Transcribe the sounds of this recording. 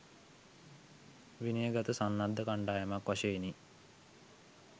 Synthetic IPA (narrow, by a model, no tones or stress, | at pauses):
ʋinijəɡat̪əsanːad̪ːəkaɳɖaːjəmakʋaʃeini